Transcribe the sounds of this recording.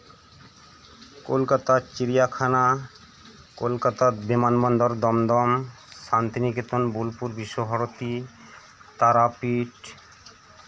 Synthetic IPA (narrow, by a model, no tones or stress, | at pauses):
kolkat̪at͡ɕiɾijakʰana | kolkat̪abemanbɔnd̪oɾd̪ɔmd̪ɔm | ʃant̪inikit̪onbulpuɾbiʃːoɦaɾot̪i | t̪aɾapiʈ